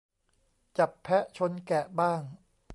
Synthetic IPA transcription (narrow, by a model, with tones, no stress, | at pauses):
t͡ɕa˨˩pʰːɛ˦˥ʔt͡ɕʰo˧nkɛ˨˩baː˥˩ŋ